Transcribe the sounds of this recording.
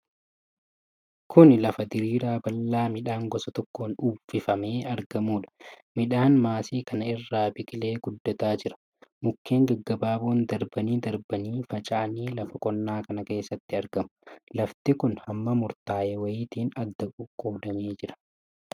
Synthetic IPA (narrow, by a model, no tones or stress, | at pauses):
kʰʊnlɐfɐd̪ɪɾiːɾaːbɐlːaːmɪᶑaːŋɡɔsɐt̪ɔkːoːnuːfɪfɐme̞ːɐɾɡɐmuːᶑɐ̥mɪᶑaːnmaːsiːkʰɐnɐɪrːaːbɪkʼɪle̞ːɡ̥ʊd̪ːɔt̪aːd͡ʒɪɾɐ̥ | mʊkʰːe̞ːŋɡɐɡːɐbaːboːnd̪ɐɾbɐniːd̪ɐɾbɐniːfɐt͡ʃʼaʔɐniːlɐfɐkʼɔnːaːkɐnɐke̞ːsːɐt̪ːɪɐɾɡɐmʊ̥lɐft̪ɪkʊnhɐmːɐmʊɾt̪aːʔewɐjiːt̪iːnɐd̪ːɐkʼʊkʼːoːd̪ɐmeːd͡ʒɪɾɐ̥